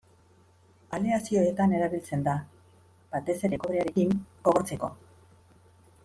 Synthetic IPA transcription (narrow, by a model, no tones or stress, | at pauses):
aliasio̞e̞t̪ane̞ɾaβilt͡se̞nd̪a | b̥at̪e̞se̞ɾe̞koɾeaɾe̞kiŋɡ̥o̞ɣo̞ɾt͡se̞ko̞̰